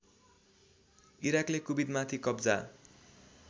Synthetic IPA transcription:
iɾaklekubid̪mat̪ʰikʌbd͡za

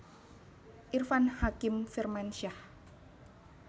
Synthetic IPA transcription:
ʔirfanhakɪmfirmanʃah

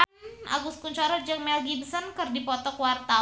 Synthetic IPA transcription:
a̰ɡust̪̚kuɲt͡ʃaɾɔd͡ʒaŋmɛlɡinsɔnkɨrdipɔt̪ɔkwart̪a

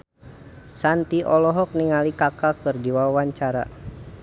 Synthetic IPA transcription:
sant̪iʔɔlɔɦɔk̚niŋalikakakɨrdiwawaɲt͡ʃaɾa̰

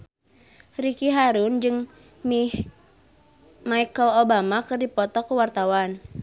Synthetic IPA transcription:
rikiɦaɾund͡ʒɨŋ | mi | maikəlobamakɨrdipɔt̪ɔkuwart̪awan

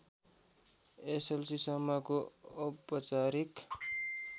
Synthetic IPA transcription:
eselsisʌmːʌkoːpːʌt͡saɾik

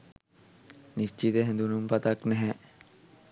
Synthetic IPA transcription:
nist͡ʃit̪əɦɛ̃nd̪unumpɐt̪ɐknɛɦɛ

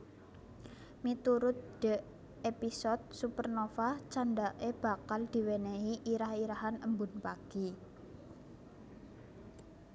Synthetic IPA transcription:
mit̪uɾʊt̪̚d̥ə̤ | episɔd̪̚supərnofaht͡ʃanɖaʔeb̥a̤kald̪̥i̤weneɦiʔiɾahiɾaɦanəmbʊ̤npaɡ̥i

